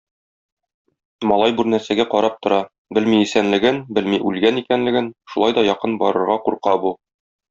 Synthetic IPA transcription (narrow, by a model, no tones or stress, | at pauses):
mɒlˠɑjbʉɾnæɾsæɡæqɒɾɑp̚t̪ŏɾɑ | bɘlmiisænlɘ̆ɡɘnbɘlmiʔʉlɡænikænlɘ̆ɡɘnʃulˠɑjd̪ɒjɒqɤnbɒ̰ɾɤ̆ɾʁɑquɾqɑbu